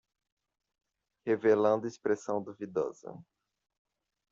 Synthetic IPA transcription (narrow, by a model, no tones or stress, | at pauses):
hevelɐ̃nd̪ʊispɾesɐ̃w̃d̪uvid̪ɔ̰z̥ɐ̰